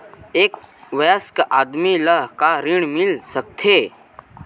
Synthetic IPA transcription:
eːkʋeəskʔaːd̪miləɦkaɾɪɽ̃mɪlsək̚t̪ʰeː

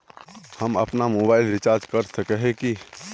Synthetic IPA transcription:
hɐmɐ̰pnamoːbaːɪlɾɪt͡ʃaːɾd͡ʒkəɾsəkeɦẽki

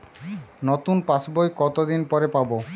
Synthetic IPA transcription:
not̪unpasbojkɔt̪od̪inpɔɾepabo

